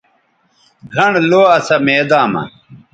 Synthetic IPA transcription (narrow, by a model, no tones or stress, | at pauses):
ɡʱɐɳloːɐsɐmeːd̪aːmɐ̰